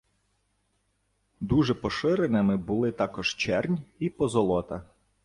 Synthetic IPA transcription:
d̪uʒɛpɔʃɪɾenɪmɪbʊlˠɪt̪ɑkɔʒ̥t͡ʃɛrnʲipɔzɔlˠɔt̪ɐ

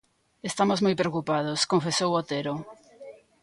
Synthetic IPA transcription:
est̪amozmojpɾeokupað̞oskõɱfesowot̪eɾo

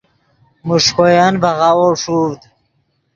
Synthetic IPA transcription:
muʂkojanbaʁawoʂud̪

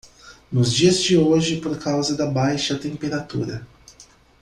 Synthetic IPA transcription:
nʊzd͡ʒiɐzd͡ʒɪoʒɪpoɾkʰawzɐd̪ɐbajʃɐt̪ẽmpeɾat̪ṵɾɐ

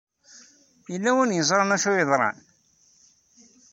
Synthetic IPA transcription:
jəlːæwənjəzˤɾˤɑnæʃujəðˤɾˤɑ̰n

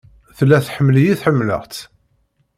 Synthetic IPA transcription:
θlːæθħəmːljiθħəmːlə̰ʁt͡s

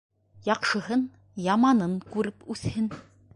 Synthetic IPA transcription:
jɑqʃɤ̆ɦɤn | jɑmɑnɤɴkʉɾɘpʉθhɘn

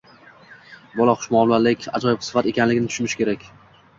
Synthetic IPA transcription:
bɒlˠɒqʰʊ̥ʃmɒwlˠaɾlɪkʲa̰d͡ʒɒjɪp̚ʰsɪ̥fat̪e̞kʲanlɪɡʲɪnɪt̪ʰʊ̥ʃmɪʃkʲʰe̞ɾakʲ

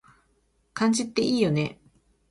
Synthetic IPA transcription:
kãɲd͡ʑit̪ːe̞ʔiːjo̞ne̞

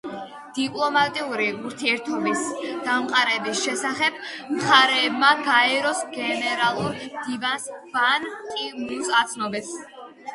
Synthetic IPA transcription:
d̪̥ipʼlˠɔmat̪ʼiuɾiuɾt̪ʰiɛɾt̪ʰɔbisd̪̥amqʼaɾɛbisʃɛsaχɛb̥̚mχaɾɛːbmaɡaɛɾɔsɡɛnɛɾalˠuɾd̪̥ivansvanqʼimusat̪sʰnɔbits

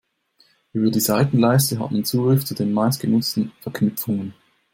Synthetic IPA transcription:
ʔyːbɐdiːzaɪtn̩laɪstəɦa̰tmant͡suːɡʁɪft͡sudeːnmaɪst̚ɡ̥ənʊt͡stn̩fɛɐkʰnʏpp͡fʊŋən

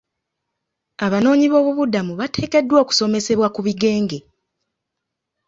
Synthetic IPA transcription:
aβano̞ːɲiβo̞ːβuβudamuβate̞ːke̞dːwo̞ːku̥so̞me̞se̞βwakuβiɡe̞ːŋɡe̞

